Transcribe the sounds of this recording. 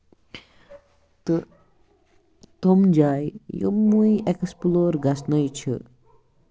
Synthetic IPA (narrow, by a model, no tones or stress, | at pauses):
t̪ɨ | t̪omd͡ʒajjo̰mːujeksploːɾɡɐsnəjt͡ʃʰə̰